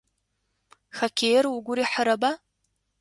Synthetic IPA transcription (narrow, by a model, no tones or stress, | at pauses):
xakʲʰejruɡʷʊɾiħəɾaba